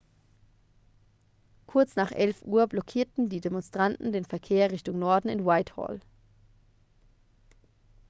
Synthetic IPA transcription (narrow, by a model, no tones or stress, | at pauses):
kʰʊɐt͡snaːχʔɛlfʔuːɐblɔkʰiːɐtn̩diːdemɔnstʁ̥antn̩deːnfɛɐkʰeːɐʁɪçtʊŋnɔɐdn̩ɪnwaɪthɔ̰l